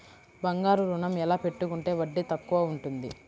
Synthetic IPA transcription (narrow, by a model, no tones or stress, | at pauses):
bɐŋɡaːɾuɾunɐmɛlaːpe̞ʈːukuɳʈe̞ːʋɐɖːit̪ɐkːuʋaːuɳʈund̪ḭ